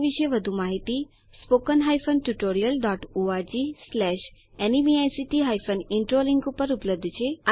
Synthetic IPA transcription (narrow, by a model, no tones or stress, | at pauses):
ʋiʃəjʋəd̪ʱumaɦit̪i | spokənɦajfənʈuʈoɾijəlɖɔʈoad͡ʑislɛʃ | ɛnimiajsiʈiɦajfəniɳʈɾoliŋɡupəɾupləb̚d̪ʱt͡ʃʰeə